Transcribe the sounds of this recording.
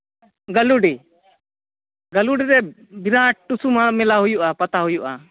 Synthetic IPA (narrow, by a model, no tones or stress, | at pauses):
ɡəluɖi | ɡəluɖiɾɛbiɾãʈusumãmɛlaɦujuʔapat̪aɦujuʔa